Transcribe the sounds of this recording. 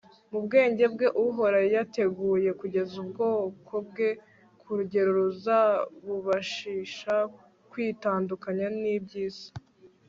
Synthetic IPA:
mubɡe̞ːɲɟe̞bɡe̞ʔuɦo̞ɾajate̞ɡuːje̞kuɟe̞zubɡo̞ːkʰo̞b̚ɡe̞ | kʰuɾuɟe̞ɾuɾuzaβuβaʃiːʃa | kwiːtaːndukaɲanibɟiːz̥ḁ

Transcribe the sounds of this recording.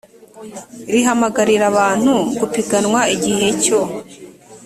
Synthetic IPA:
iɾiɦamaɡaɾiɾaβaːn̥huɡupiɡanŋwaiɟiɦe̞co̞

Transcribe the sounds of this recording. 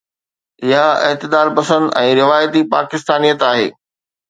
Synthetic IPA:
ɪjaɪ̰ɦt̪ɪd̪aːɾpɐsə̃nd̪ɛ̃ːɾɪʋaːjt̪ipa̰ːkɪst̪aːnijət̪aːɦḛː

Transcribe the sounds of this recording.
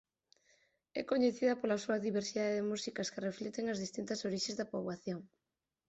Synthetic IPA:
ɛ̰koɲeθiðɐpolasuɐðiβ̞eɾsiðaðeðemusikɐskereflet̪eŋɐzðist̪int̪ɐsoɾiʃezðɐpoβaθjoŋ

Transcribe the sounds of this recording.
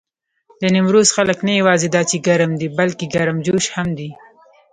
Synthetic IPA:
d̪ənɪmɾozxaləknajawɑzed̪ɑt͡ʃeɡaɾəmd̪ibalkeɡaɾəmd͡ʒoʃhamd̪i

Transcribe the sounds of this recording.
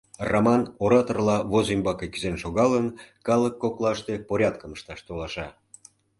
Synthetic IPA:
romɑnoɾɑt̪orlɑβozimbɑkekyzenʃoɣɑlənkɑləkːoklɑʃt̪epoɾʲɑd̪kəməʃt̪ɑʃt̪olɑʃɑ

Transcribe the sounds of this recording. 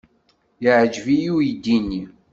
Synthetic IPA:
jəʕd͡ʒvijujid̪ːinːi

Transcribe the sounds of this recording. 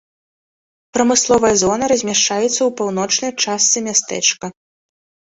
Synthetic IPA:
pɾɐmɨslˠɔvɐjɐzɔnɐɾɐzʲmʲaʂt͡ʂajɛt̪sːɐwpawnɔt͡ʂnɐjt͡ʂast̪sɨmʲast̪ɛ̰t͡ʂkɐ

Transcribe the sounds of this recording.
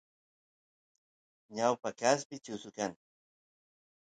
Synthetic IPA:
ɲawpakaspɪt͡ʃʊsʊkaŋ

